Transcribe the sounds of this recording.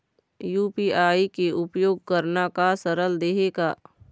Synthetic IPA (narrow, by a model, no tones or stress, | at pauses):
juːpiːaːikeʔʊpjoːɡ̚kəɾnakasəɾəld̪eːɦeɡaː